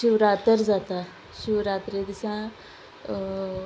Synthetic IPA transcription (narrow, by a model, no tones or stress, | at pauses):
ʃuɾaːt̪əɾzaːt̪a | ʃuɾaːt̪ɾed̪isã